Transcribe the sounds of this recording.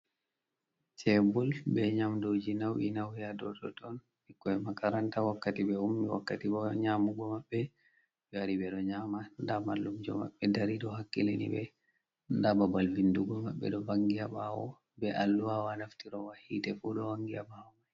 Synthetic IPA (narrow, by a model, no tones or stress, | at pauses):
t͡ʃɛbulbɛɲamdod͡ʒinawʔḭnawhɛjadɔtɔtɔn | ikːɔɛmakaɾantawakːatibɛumːiwa̰kːatibɔɲamuɡɔmaɓːɛ | aɾibɛɗɔɲamandamalːumd͡ʒɔma̰ɓːɛdaɾiɗɔhakːilinḭbɛ | ndababalvinduɡɔmaɓːɛ̰ɗɔbaŋɡijabawɔ̰ | bɛʔalːuwawanaftiɾɔwahitɛfuɗɔwaŋɡijabawɔmaj